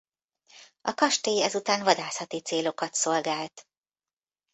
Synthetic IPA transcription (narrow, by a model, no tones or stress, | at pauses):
ɒkɒʃt̪eːjɛzut̪aːnvɒd̪aːsɒt̪it̪seːlo̞kɒt̪so̞lɡaːlt̪